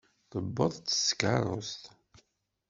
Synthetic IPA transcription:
θəbːəðˤt͡sːə̥skɑɾˤo̰st̪

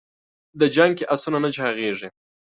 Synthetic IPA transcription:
d̪əd͡ʒaŋkeʔasunanat͡ʃɑɣeʐi

